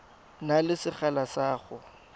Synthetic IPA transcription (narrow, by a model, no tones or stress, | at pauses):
nalɪsɪχalasaːχʊ